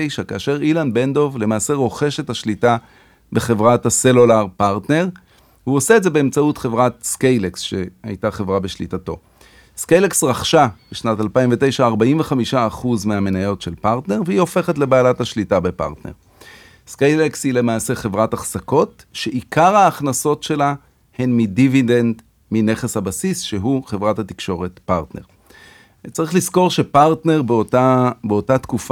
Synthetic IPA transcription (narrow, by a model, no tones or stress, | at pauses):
ejʃakaːʃe̞ʁilanbe̞nd̪o̞vle̞maːse̞ʁo̞χe̞ʃethaʃlita | beχe̞vʁathaselolaʁpaʁtne̞ʁ | huoseːdze̞be̞ːmt͡sautχevʁatskejleksʃe̞ha̰jtaχe̞vʁabeʃlitato̞̰ | skejleksʁaχʃab̥eʃnatalpaimvete̞jʃaːʁbaimve̞χamiʃaːχuzmeame̞najo̞tʃelpaʁtne̞ʁvehio̞fe̞χetle̞baːlathaʃlitabepa̰ʁtnḛʁ | skejlekshile̞maːse̞χevʁataχsako̞t | ʃeʔikaʁhaːχnaso̞tʃe̞la | he̞nmidividend | mine̞χeshabasisʃe̞ɦuχevʁathatikʃo̞ʁetpaʁtne̞̰ʁ | t͡saʁiχlisko̞ʁʃe̞paʁtne̞ʁbabeotat̪kuf